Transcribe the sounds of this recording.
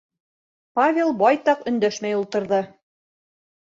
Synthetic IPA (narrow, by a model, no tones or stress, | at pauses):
pavʲelˠbɑjt̪ɑqɵ̆nd̪æʃmæjulˠt̪ɤ̆ɾðɤ